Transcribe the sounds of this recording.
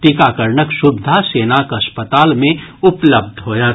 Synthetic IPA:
t̪ikaːkəɾɳəkʃʊbd̪ʱaseːnakɐspət̪aːlmẽʊpləb̚d̪ʱɦoːja

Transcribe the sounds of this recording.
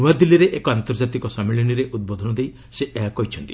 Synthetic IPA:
uad̪iliɾeʔekɔant̪ɔɾd͡ʒat̪ikɔsamiɭiniɾeʔud̪̚bɔd̪ʱɔnɔd̪ej | seʔeɦakɔɦit͡ʃʰɔnt̪i

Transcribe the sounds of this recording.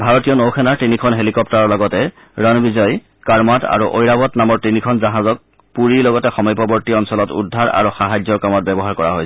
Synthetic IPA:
bʱaɹɔtijɔnokʰɛnaɹtinikʰɔnɦelikɔp̚taɹɔɹlɔɡɔtɛ | ɹɔnbizɔj | kaɹmata̰ɹuʔojɹabɔtnamɔɹtinikʰɔnzaɦazɔk̚ | puɹilɔɡɔtɛxɔmɔjpɔbɔɹtiɔnsɔlɔtṵdʱːaɹa̰ɹuxaɦazɔkamɔt̚bɛbɔɦaɹkɔɹaɦoj

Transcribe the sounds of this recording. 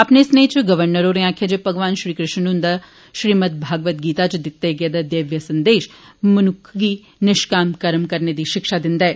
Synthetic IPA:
ɐpnesneːt͡ʃɡɐʋəɾnəɾoɾẽaːkʰjad͡ʒepɐɡʋaːnʃɾiːkɾɪʃnnʊ̃nd̪a | ʃɾiːmət̪̚bʱaːɡʋət̪̚ɡiːt̪at͡ʃd̪ɪt̪ːeɡed̪ad̪eːʋjəsɐ̃nd̪eːʃmɐnʊkʰɡiː | nɪʃkaːmkɐɾmkɐɾned̪iːʃɪkʃad̪ɪnd̪ɛː

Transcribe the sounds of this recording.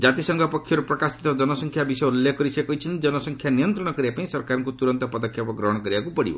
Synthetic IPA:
d͡ʒat̪isɔŋɡʱɔpɔkʰːjɔɾupɾɔkasi̥t̪ɔd͡ʒɔnɔsɔŋkʰjabisɔjuljekːɔɾisekɔɦit͡ʃʰint̪id͡ʒɔnɔsɔŋkʰjanijɔnt̪ɾɔɽ̃ɔkɔɾibapaĩsɔɾkaɾɔŋkut̪uɾɔnt̪ɔpɔd̪ɔkʰːjapɔɡɾɔɦɔɽ̃ɔkɔɾibakupɔɽḭbɔ̰

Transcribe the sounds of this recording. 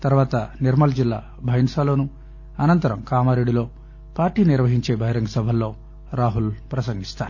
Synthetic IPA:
t̪ɐɾuʋaːt̪ɐniɾmɐld͡ʒilːa̰ː | bʱɐjnsaːlo̞ːnu | ɐnɐnt̪ɐɾɐmkaːmaːɾeɽilo̞ː | paːɾʈiːniɾʋɐɦiɲt͡ʃe̞ːbʱɐɦjiɾɐŋɡɐsɐbʱɐlːo̞ː | ɾaːɦulpɾɐsɐŋɡist̪aːɾu

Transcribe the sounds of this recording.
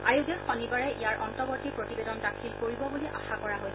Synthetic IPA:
a̰ɹjudexɔnibaɹɛijaɹʔɔntɔbɔtipɹotibedɔndakʰilkoɹibɔbuliʔa̰xakɔɹaɦoj

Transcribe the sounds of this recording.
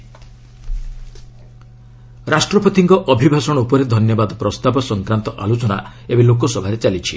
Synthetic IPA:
ɾasʈɾɔpot̪ʰiŋkɔʔɔbʱibʱasɔɽ̃ɔupɔɾed̪ʱɔnjɔbad̪ɔpɾɔst̪abɔsɔŋkɾant̪ɔʔa̰lot͡ʃɔna̰ebelokɔsɔbʱaɾet͡ʃalit͡ʃʰi

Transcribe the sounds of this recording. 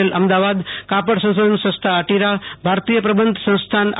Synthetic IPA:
elɐmd̪aʋad̪kapəɽsə̃w̃soːd̪ʱənsɐ̃st̪ʰaəʈiɾabʱaɾt̪ijəpɾɐbənd̪ʱsə̃w̃st̪ʰan

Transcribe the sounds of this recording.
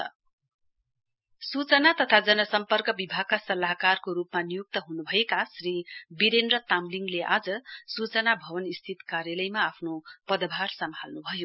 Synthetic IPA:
sut͡sʌnat̪ʌt̪ʰad͡zʌnʌsʌmpʌrkʌbibʱaɡ̚kasʌlaɦkarkoɾupmanijuk̚t̪ʌɦunubʱʌjekasribiɾend̪rʌt̪amliŋɡleʔad͡zʌsut͡sʌnabʱʌbʌnist̪ʰit̪karjʌlʌjmaːpʰnopʌd̪ʌbʱarsʌmʱalnubʱʌjo

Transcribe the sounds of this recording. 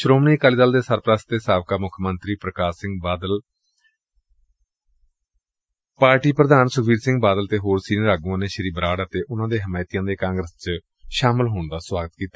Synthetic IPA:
ʃɾoːmniːkaːliːd̪əld̪eːsəɾpɾəst̪eːsaːʋkaːmʊkʰmənt̪ɾiːpɾəkaːsɪ̃ŋɡbaːd̪əl | paːɾʈiːpɾəd̪ʱaːnsʊɡʱiːɾsɪ̃ŋɡ̚baːd̪əlt̪eːɦoːɾsiːnːɾaːɡũãːnẽːʃəɾiːbɾaːɽət̪eːʔʊnãːd̪eːɦəmaːjt̪ijãːd̪eːkãːŋɡɾəst͡ʃ | ʃaːmɪlɦoːɳd̪aːswaːɡət̪kiːt̪aː

